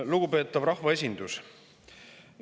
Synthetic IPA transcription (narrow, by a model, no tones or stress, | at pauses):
luɡ̥upe̞ːt̪ːˑɑvɾɑhvɑe̞sʲind̪̥us